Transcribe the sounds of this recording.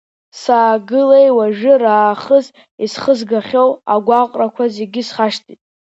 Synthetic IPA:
saːɡɨlejwaʒɨraːχəz | isχəzɡaχʲowaɡʷaqʼrakʷʰaze̞ɡʲɪsχaʃtʰitʼ

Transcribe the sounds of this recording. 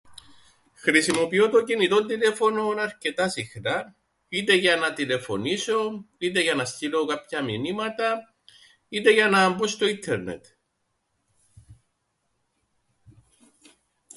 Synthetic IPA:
xɾisimo̞pio̞t̪o̞ɟinit̪o̞nd̪ile̞fo̞no̞nɐɾce̞t̪ɐsixnɐ | it̪e̞ʝɐnɐt̪ile̞fo̞̰niso̞it̪̬e̞ʝɐnɐst̪ilo̞kɐpçɐminimɐt̪ɐ | it̪e̞ʝɐnɐːmbost̪o̞int̪ʰːe̞ɾne̞̰t̪

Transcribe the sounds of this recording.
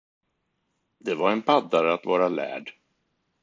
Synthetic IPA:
d̪ɛvaɾɛnpʰad̪ːaɾəat̪vɑːɾalæ̰ːɖ

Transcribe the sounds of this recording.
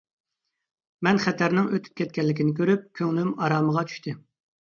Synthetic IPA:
mɛnχɛt̪ʰɛɾnɪŋøt̪ʰy̥p̚kʲʰɛt̪̚kʲɛlːɪkʲinɪkʲʰøɾyp̚kʲʰøŋlymɑɾɑːməʁɑt͡ʃʰy̥ʃt̪ʰɪ

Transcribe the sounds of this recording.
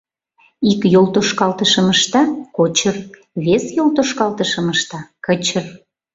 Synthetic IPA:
ikjolt̪oʃkɑlt̪əʃəməʃt̪ɑkot͡ɕər | βesjolt̪oʃkɑlt̪əʃəməʃt̪ɑkət͡ɕər

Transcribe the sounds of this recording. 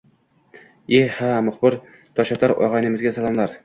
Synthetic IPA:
ehamʊχbɪɾ | t̪ʰɒʃat̪ʰaɾɒ̰ʁɑjnɪmɪzɡʲasalˠamlaɾ

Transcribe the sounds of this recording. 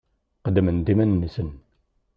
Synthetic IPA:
qəd̪əmənd̪imænːisən

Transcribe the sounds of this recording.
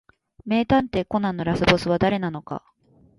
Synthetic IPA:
me̞ːt̪ãnt̪e̞ko̞nãnːo̞ɾasɨbo̞sɨβad̪aɾe̞nano̞ka̰

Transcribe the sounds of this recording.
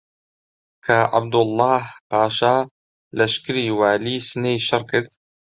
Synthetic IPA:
kʰɐʕa̰b̚d̪ʊlˠˤːɑːhpaːʃaː | lɐʃkɨɾiːwaːliːsɨnejʃɐrˤkʰɨɾd̪

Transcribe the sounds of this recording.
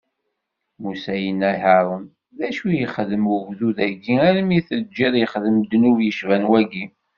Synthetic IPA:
musæjənæħɑɾˤən | ðæʃujəχðəmwəɡðuðæɡːiæɾəmiθəd͡ʒːiðjəχðəmd̪nuvjəʃvænwæɡi

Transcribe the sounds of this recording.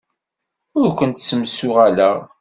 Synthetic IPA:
ʊɾkʷənt̪səmsʊʁalæʁ

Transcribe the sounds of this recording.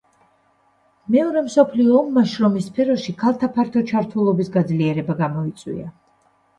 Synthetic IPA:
mɛɔɾɛmsɔpʰliɔːmːaʃɾɔmispʰɛɾɔʃikʰalˠt̪ʰapʰaɾt̪ʰɔt͡ʃʰaɾt̪ʰulˠɔbisɡad̪zliɛɾɛbaɡamɔit̪sʼwḭa

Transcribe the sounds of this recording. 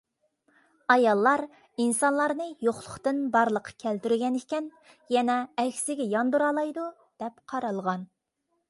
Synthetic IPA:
ɑjɑlˠːɑɾ | insɑnlˠɑɾnɨjoχlˠʊχt̪ɨnbɑɾlˠəqʰːɑ̥kʲʰælt̪yɾyɡʲɛnekʲɛn | jɛnɛːkʲsɪɡʲɛjɑnd̪uɾɑlˠɑjd̪u | d̪̥ɛpqʰɑɾɑlˠʁɑn

